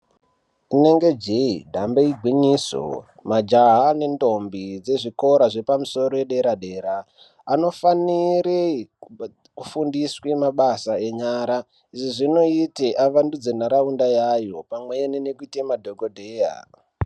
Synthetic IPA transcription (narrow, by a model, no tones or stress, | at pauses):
ine̞ŋɡe̞d͡ʒeidʱambeiɡʱwiɲiso̰ | mad͡ʒaɦane̞ndo̞mbid͡ze̞ʐiko̞ɾaʐe̞pamuso̞ɾo̞jeɗe̞ɾaɗe̞ːɾaː | no̞faniɾe | kufundiswemaɓasae̞ɲaɾa | iʐiʐino̞iteʔaʋandud͡zenaɾaundajajo̞pamwe̞enenekuitemadʱoɡodʱeja̰